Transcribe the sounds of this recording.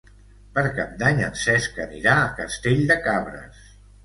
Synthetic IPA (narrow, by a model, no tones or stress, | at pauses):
pəɾkap̚d̪aɲə̰nsɛskəniɾaːkəst̪eʎd̪əkaβɾə̰s